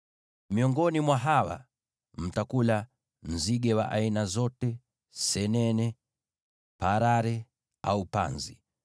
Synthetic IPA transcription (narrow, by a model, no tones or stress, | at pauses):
miɔŋɡɔnimwaɦawa̰ | m̩takula | m̩ziɡɛwa̰ʔainazɔtɛ | sɛnɛnɛ | paɾaɾɛ | aupa̰nzḭ